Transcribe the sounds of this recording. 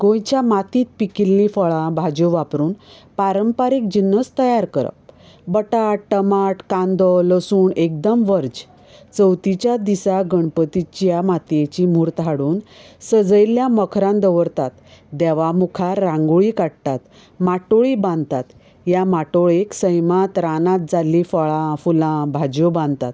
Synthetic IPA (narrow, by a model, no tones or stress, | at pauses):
ɡõjt͡ɕjamat̪iːt̪̚pikilːifəɭãbʱad͡ʑuʋapɾuːn | paɾəmpaɾiːk̚d͡ʑinːəst̪əjaɾkəɾə̰p | bəʈaʈəmaʈkãnd̪ɔləsuːɳek̚d̪əmʋəɾd͡ʑ | t͡səwt̪it͡ɕjad̪isaɡəɳpət̪it͡ɕjamat̪jet͡ɕimuːɾt̪aɽuːnsəd͡zəjljaməkʰɾãnd̪əʋəɾt̪at̪d̪ɛʋamukʰaːãŋɡoɭikaɽt̪at̪ | maʈoɭibãnd̪t̪at̪ | jamaʈoɭeksəjmat̪ɾanãt̪̚d͡zalːifɔɭãfulãbʱad͡ʑjobãnd̪t̪at̪